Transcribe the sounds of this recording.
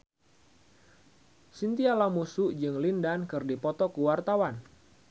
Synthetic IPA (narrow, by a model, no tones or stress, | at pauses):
sint̪ialamusuʔd͡ʒɨŋlindankɨrdipɔt̪ɔkuwart̪awan